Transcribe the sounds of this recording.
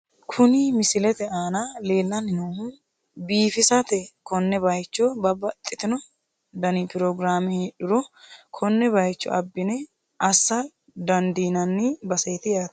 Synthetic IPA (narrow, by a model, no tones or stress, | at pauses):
kʰʊnɪmɪsɪlɛt̪ɛaːnɐle̞ːlːɐnɪnohʊ | biːfɪsɐt̪ɛkɔnːɛbɐjt͡ʃːɔbɐbɐt̪ʼːɪt̪ɪnɔ | d̪ɐnipɪɾɔɡɾaːmɪheːɗʊɾɔkʰɔnːɛbɐjt͡ʃːɔ̰ʔɐbːɪnɛ | ɐsːɐ | d̪ɐnd̪iːnɐnːɪbɐsɛjt̪ɪjaːt̪